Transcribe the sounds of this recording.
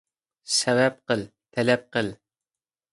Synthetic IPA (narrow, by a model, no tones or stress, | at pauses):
sɛvɛp̚qəlt̪ʰɛlɛp̚qəl